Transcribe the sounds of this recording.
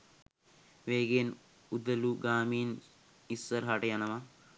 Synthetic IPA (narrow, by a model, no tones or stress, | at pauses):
ʋeːɡen | ud̪ɐluɡaːmiːn | isːɐɾɦaʈɐjanɐʋa